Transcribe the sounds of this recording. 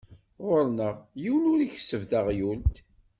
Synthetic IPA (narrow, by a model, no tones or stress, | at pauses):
ʁoɾnəʁjulʊɾiçə̥səvθəʁjult̪